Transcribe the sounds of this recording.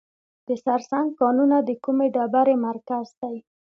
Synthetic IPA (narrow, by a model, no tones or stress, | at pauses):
d̪̥əsaɾsaŋɡ̚kɑnunad̪əkumeɖabaɾemaɾkazd̪aj